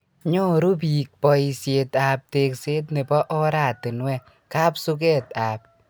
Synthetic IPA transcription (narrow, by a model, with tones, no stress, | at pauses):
ɲɔ˦ɾu˦bi˨k̚pɔ˧i˨˧sje˧ta˨p̚te˨kse˦t̬ne˨bɔ˦ʔɔ˦ɾa˨tɪ˨nwɛ˦ | ka˦psu˦k̬e˦taː˨p̚